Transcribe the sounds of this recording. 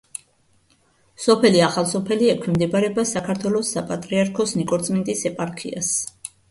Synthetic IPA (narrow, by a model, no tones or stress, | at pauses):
sɔpʰɛliaχalˠsɔpʰɛliɛkʰwimd̪ɛbaɾɛbasakʰaɾt̪ʰwɛlˠɔsapʼat̪ʼɾiaɾkʰɔsnikʼɔɾt̪sʼmɛnt̪ʼisɛpʼaɾkʰḭa̰s